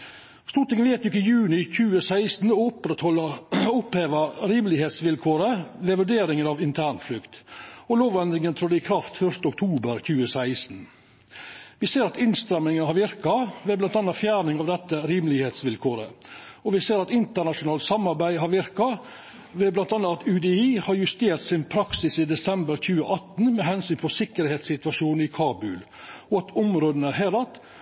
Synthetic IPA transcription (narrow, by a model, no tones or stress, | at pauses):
st̪uːʈ̪ɪŋənʋeːt̪ɪkːəɪjʉːnɪçʉːəsæɪst̪n̩ɔʊpːɾɛt̪hɔlɑʊpheːʋəɾiːmlɪheːt̪sʋɪlkʰoːɾəʋɛʋʉɖeːɾɪŋənɑʋɪnt̪ʰæːɳflʏkt̪ɔloːʋɛnd̪ɾɪŋənt̪ʰɾɔd̪ɛɪkʰɾɑft̪fœʂt̪əɔk̚t̪ʰuːbəɾçʉːəsæɪsn̩ | ʋɪseːɾɑt̪ɪnst̪ɾɛmɪŋənhɑɾʋɪɾkɑʋɛblɑnt̪ɑnːɑfjæːɾnɪŋɑʋd̪ɛt̪ːəɾiːmlɪheːt̪sʋɪlkʰoːɾə̰ɔʋɪseːɾɑt̪ɪnt̪əɳɑʂʊnɑːlt̪sɑmːɑɾbæɪɦɑɾʋɪɾkɑ | ʋɛblɑnt̪ɑnɑɑt̪ʉd̪ɛiːhɑɾjʉst̪eːɾt̪sɪnpʰɾɑksɪsɪd̪ɛsɛmbəɾçʉːəʔɑt̪n̩mɛɦɛnsyːnpʰɔsɪkəɾheːt̪sɪt̪ʋɑʂuːnɪkʰɑːbʉl | ɔɑt̪ɔmɾoːd̪ən̩əɦeːɾɑt̪